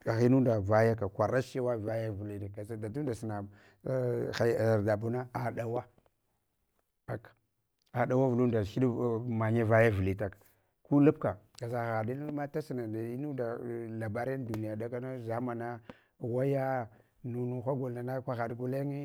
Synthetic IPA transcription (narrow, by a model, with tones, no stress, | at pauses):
a˨ɣi˦nu˦nda˨va˦ja˦ka˨kʷa˨ɾa˦ʃi˦wa˦va˦ja˦vu˨li˦da˨da˨du˦n˦da˨si˨na˨˦ | a˨da˨bu˦na˦a˨da˨wa˦ | a˨kḁ˨ | a˨ɗa˨wa˦vu˨lu˦nda˨ʃi˦dma˨ɲa˦va˦ja˦vu˨li˨ta˨k | ku˦lu˦pka˨ | ka˨za˨ɣa˨di˦n˦ma˦ta˦si˨na˨da˨i˦nu˦da˨la˨ba˨ɾn˦du˨ni˨ja˨da˦ka˦na˦za˨˦ma˨na˦ | wa˦ja˦ | nu˨nu˦xʷa˦ɡo˨la˨na˦kʷa˦ɣa˨dɡu˦le˦ŋi˦